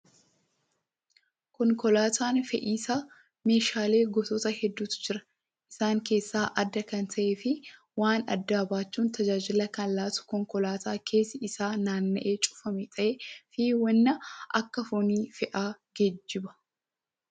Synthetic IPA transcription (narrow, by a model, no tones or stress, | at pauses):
kɔŋkɔlaːt̪ʰaːnfɛʔiːsaː | me̞ːʃaːle̞ːɡɔt̪ɔt̪ɐhɛd̪ːuːt̪d͡ʒɪɾɐ̥ | ʔɪ̥saːŋke̞ːsːaːʔɐd̪ːɐkɐnt̪ʰɐʔeːfɪ | waːnɐ̰d̪ːaːbaːt͡ʃːuːnt̪ɐd͡ʒaːd͡ʒɪlɐkɐnlːaːt̪ʊ̥kɔŋkɔlaːt̪aːkʰe̞ːsɪʔɪsaːnaːnːɐʔe̞ːt͡ʃʼʊ̥fɐmɛt̪ʼɐʔefiwɐnːɐʔɐkːɐfɔniːfɛʔaːɡed͡ʒːɪbɐ̥